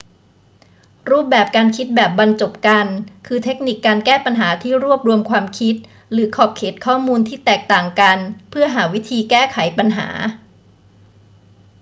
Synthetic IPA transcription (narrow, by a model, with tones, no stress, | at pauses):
ɾuː˥˩p̚bɛː˨˩p̚kaː˧nkʰi˦˥t̪̚bɛː˨˩p̚ba˧nt͡ɕo˨˩p̚ka˧nkʰɯː˧t̪ʰe˦˥k̚ni˨˩kːaː˧nkɛː˥˩pa˧nɦaː˩˦t̪ʰiː˥˩ɾu˥˩əp̚ɾu˧əmkʰwaː˧mkʰi˦˥t̪̚ | ɾɯː˩˦kʰɔː˨˩p̚kʰeː˨˩t̪̚kʰɔː˥˩muː˧nt̪ʰiː˥˩t̪ɛː˨˩k̚t̪aː˨˩ŋka˧npʰɯ˥˩ɐɦaː˩˦wi˦˥t̪ʰiː˧kɛː˥˩kʰa˨˩˦jpa˧nɦa̰ː˩˦